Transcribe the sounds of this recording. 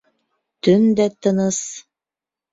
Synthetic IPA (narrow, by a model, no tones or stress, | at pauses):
t̪ɵnd̪æt̪ɤ̆nɤs